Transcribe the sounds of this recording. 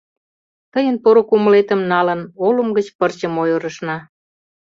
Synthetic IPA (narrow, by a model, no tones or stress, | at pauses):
t̪əjənpoɾokuməlet̪əmnɑlənoləmɡət͡ɕpərt͡ɕəmojoɾə̆ʃnɑ